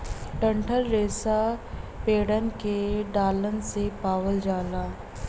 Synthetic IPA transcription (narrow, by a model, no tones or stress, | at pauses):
ʈə̃ɳʈʰəlːeːsapeːɽənkeɖaːlənsepaːwəld͡ʒaːlaː